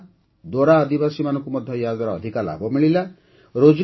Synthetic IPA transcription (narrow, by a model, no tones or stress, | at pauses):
d̪oɾaɔd̪ibasimanɔ̃ŋkumɔd̪ʱjɔjad̪ɔɾɔːd̪ʱikala̰bɔmiɭila | ɾod͡ʒ